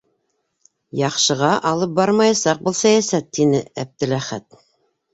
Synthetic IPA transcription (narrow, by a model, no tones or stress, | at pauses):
jɑqʃɤ̆ʁɑʔɑlˠɤp̚bɑɾmɑjɑsɑq̚bulˠsæjæsæt̪ːinɘæb̚d̪ɘ̆ɾæχæt̪